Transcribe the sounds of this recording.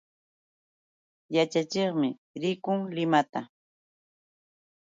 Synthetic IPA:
jat͡ʃat͡ʃeχmɪɾɪkʊŋlɪmat̪a

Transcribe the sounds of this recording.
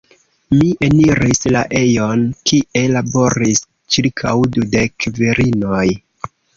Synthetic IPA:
miʔe̞niɾisla̰ʔe̞jo̞nkiʔe̞labo̞ɾis | t͡ʃiɾkʰawdude̞kviɾinoj

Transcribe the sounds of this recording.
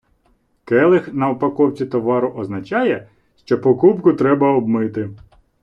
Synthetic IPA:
kɛlˠɪxnɐɔpɐkɔwt͡sʲit̪ɔʋɑɾʊʔɔznɐt͡ʃɑjɛ | ʃt͡ʃɔpɔkupkʊt̪ɾɛbɐɔbmɪt̪ɪ

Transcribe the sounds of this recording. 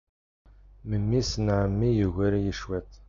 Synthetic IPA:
məmːisnʕəmːijəɣæɾijəʃwæt̪

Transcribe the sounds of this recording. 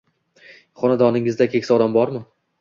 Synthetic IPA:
χɒnad̪ɒnɪŋɪzd̪akʲʰekʲsɒd̪ambɒɾmɪ

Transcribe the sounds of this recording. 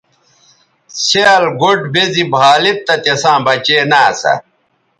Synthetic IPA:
ɕeɐlɡoʈbezibʱaːlit̪ːɐt̪esãːbɐt͡ɕeːnaːsɐ̰

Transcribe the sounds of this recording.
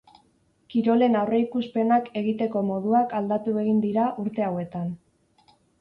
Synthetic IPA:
kiɾo̞le̞nawre̞ikuspe̞nake̞ɣit̪e̞ko̞mo̞ðuakald̪at̪ue̞ɣind̪iɾaʔuɾt̪e̞awe̞t̪an

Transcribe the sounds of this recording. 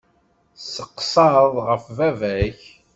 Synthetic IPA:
səqːsˤɑðˤʁəfvævæç

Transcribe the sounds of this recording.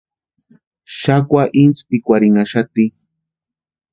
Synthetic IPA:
ʃakʷaʔint͡spikʷaɾiŋaʃat̪i

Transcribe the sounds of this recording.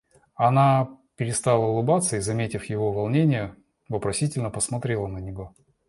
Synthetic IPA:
ɐnapʲɪɾʲɪst̪alˠəʊlˠɨbat̪səizɐmʲetʲɪfjɪvovɐlˠnʲenʲɪjə | vəpɾɐsʲitʲɪlʲnəpəsmɐt̪ɾʲelˠənənʲɪvo̞

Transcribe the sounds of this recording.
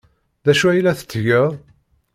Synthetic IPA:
ðæʃuæjlæθə̥t͡sːʝəʁˤ

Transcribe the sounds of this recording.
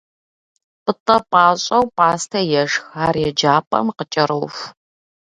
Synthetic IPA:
pɨtʼɐpʼaːɕʼɐwpʼaːstʰɐjɛʂxaːrjɛd͡ʒaːpʼɐ̰mqət͡ʃʼɐɾɨwf

